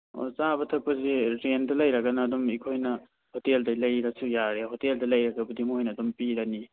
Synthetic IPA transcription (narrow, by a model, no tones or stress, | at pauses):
o̰t͡ʃabɐtʰɐk̚pɐzeɾendɐlɐjɾɐkɐnɐːdɔmikʰojnɐ | hoteldɐlɐjɾɐsujaɾeɦoteldɐlɐjɾɐkɐbɐdimojnɐːdɔmpiɾani